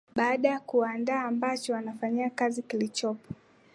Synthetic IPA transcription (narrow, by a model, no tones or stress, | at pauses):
ɓaaɗajakuandaːmbat͡ʃɔwanafaɲiakazikilit͡ʃɔpɔ̥